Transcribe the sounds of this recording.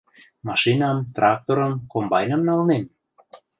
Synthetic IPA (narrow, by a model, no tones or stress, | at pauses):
mɑʃinɑmt̪rɑk̚t̪oɾɤ̆mkombɑjnə̆mnɑlnem